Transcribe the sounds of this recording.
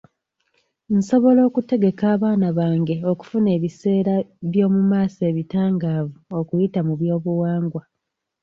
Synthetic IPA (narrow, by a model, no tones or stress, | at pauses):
n̩so̞βo̞lo̞ːkute̞ɡe̞kaːβaːnaβaːŋɡe̞o̞ku̥fune̞ːβise̞ːɾaβjo̞ːmumaːse̞ːβitaːŋɡaːvuo̞kujitamuβjo̞ːβuwaːŋɡwa